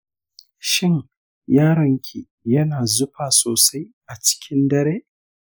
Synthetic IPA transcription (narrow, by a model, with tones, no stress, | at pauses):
ʃɪ˦ŋ | jaː˦ɽɐ˨ŋkʲʰi˨ | jɐ˦naː˨zʊ˦ɸaː˨soː˨sa˦jʔa˨t͡ʃɪ̥˦kʲɪ˦ndɐ˦ɾeː˦ʔ